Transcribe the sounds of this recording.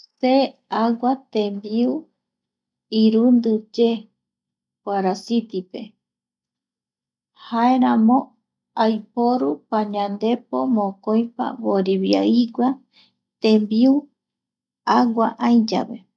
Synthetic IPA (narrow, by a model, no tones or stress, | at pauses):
seawat̪ẽmbiu | iɾund̪ɨd͡ʒe | kʷaɾasit̪ipe̞ | haeɾãmõ | ajpoɾupaɲãnd̪e̞pomõkoj̃pa̰βoɾiβja̰iɡʷa | t̪ẽmbiu | aɡʷaʔaj̃d͡ʒa̰βe̞̰